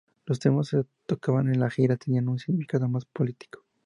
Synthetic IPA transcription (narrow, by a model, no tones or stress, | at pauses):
lo̞s̬t̪ɾemosset̪okaβanenlaxiɾat̪enianunsiɣnifi̥kaðo̞maspolit̪i̥ko̥